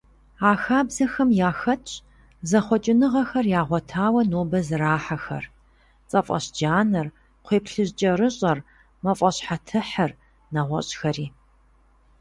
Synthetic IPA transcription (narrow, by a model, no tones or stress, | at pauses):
aːxaːbzɐxɐmjaːxɐtʼ | zɐχʷɔt͡ʃʼɪnɨʁɐxɐrjaːʁʷɔtʰaːwɐnoːbɐzɨraːħaxɐ̰r | t͡sʼɐfʼɐ̰ɕd͡ʒaːnɐr | qʷʰeːpɬɨʑt͡ʃʼɐrɨɕʼɐr | mɐfʼɐɕħatʰɨħɐr | nɐʁʷɔ̰ɕʼxɐɾiː